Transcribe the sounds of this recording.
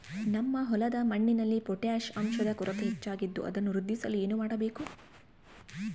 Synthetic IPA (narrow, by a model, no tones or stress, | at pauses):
nɐmːɐɦɔlɐd̪ɐmɐɳːinɐlːipɔʈjaːʃɐmʃɐd̪ɐkuɾɐt̪et͡ʃːaːɡid̪ːṵʔɐ̰d̪ɐnːuɾud̪ʱːisɐlue̞ːnumaːɽɐbe̞ːku